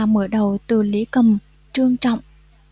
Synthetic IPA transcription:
məː˧˩ɗə˨˩wt̪ɨ˨˩li˨˦kə˨˩m | t͡ɕɨ˧əŋt͡ɕɔ̰˧˨wŋ͡mʔ

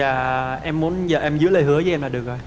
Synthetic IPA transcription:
aː˨˩ʔɛ˧mːu˨˦ənzəː˨˩ʔɛ˧mzɨ̰˧˥ləː˨˩jɦɨ˨˦əzəː˨˦ʔɛ˧mlaː˨˩ɗɨ˨˩ək̚zo˨˩j

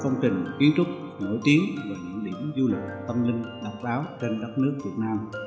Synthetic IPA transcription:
fə˧wŋ͡mt͡ɕï˨˩ŋ̟ki˨˦ənt͡ɕʊ˦˥t̚ | no̰˧˥jt̪i˨˦əŋvaː˨˩ɲɨ̰˧˥ŋɗḭ˧˩əmzu˧lɨ˨˩k̚t̪ə˧mlï˧ŋɗa˨˩k͡p̚ɓaː˨˦wt͡ɕe˧nɗə˦˥t̚nɨ˦˥ək̚vi˨˩ət̚naː˧m

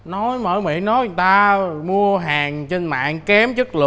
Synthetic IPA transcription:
nɔ˨˦jmə̰ː˧˩jmḭ˧˨nɔ˨˦jt̪aː˧mu˧əɦaː˨˩ŋt͡ɕe˧nma̰ː˧˨ŋkɛ˨˦mt͡ɕɨ˦˥k̚lɨ̰˨˩

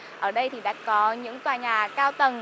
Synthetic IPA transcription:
ʔəː˧˩ɗə˧jt̪ʰi˨˩ɗa̰ː˧˥kɔ˨˦ɲɨ̰˧˥ŋt̪waː˨˩ɲaː˨˩kaː˧wt̪ə˨˩n

